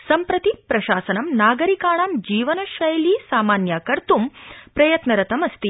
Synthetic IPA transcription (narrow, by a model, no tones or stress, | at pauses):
sɐmpɾɐt̪ipɾɐʃaːsɐnɐmnaːɡɐɾikaːɳaːmd͡ʒiːʋɐnɐʃʋɐjɐliːsaːmaːnjaːkɐɾt̪umpɾɐjɐt̪nɐɾɐt̪ɐmɐst̪i